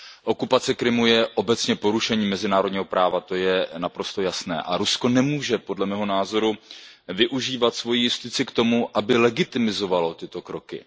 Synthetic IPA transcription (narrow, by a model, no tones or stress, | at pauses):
ʔo̞kupat͡sɛkɾɪmujɛʔo̞bɛt͡sɲɛpo̞ɾuʃɛɲiːmɛzɪnaːɾo̞dɲiːɦo̞pɾaːvat̪o̞jɛnapɾo̞st̪o̞jasnɛ̰ːʔa̰ɾusko̞nɛmuːʒɛpo̞dlɛmɛːɦo̞naːzo̞ɾu | vɪʔuʒiːvat̪svo̞jijɪst̪ɪt͡sɪkt̪o̞muʔabɪlɛɡɪt̪ɪmɪzo̞valo̞t̪ɪt̪o̞kɾo̞kɪ̰